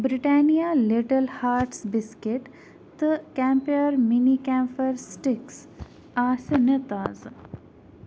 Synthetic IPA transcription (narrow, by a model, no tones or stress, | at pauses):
bɾiʈaːnijaliʈɐlhaːɾʈsbiskeʈ | t̪ɨkɛmpiɐɾminikaːmpɐɾsʈiks | aːsɐnet̪aːz